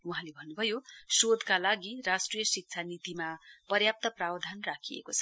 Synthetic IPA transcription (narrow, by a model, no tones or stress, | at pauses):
uɦãlebʱʌnːubʱʌjosod̪kalaɡirasʈrijʌsik̚t͡sʰanit̪imapʌrjap̚t̪ʌprawd̪ʱanrakʰijḛkot͡sʰʌ